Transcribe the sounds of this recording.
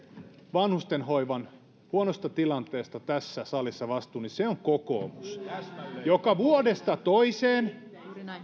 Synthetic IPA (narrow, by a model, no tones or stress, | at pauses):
ʋɑnhust̪enhoiʋɑn | huonost̪ɑt̪ilɑnt̪eːst̪ɑt̪æsːæsɑlisːɑʋɑst̪ˑuːniseoŋkoko̰ːmus | jokɑʋuodest̪ɑt̪oiseːn